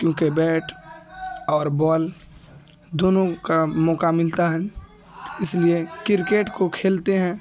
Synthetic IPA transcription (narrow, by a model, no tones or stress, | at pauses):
kjõːkebɛːʈʰ | ɔːɾbɔːl | d̪oːnõkamɔːkamɪlt̪aɦɛ̃ː | ɪsliekɪɾkeːʈkokʰeːlt̪eɦɛ̃ː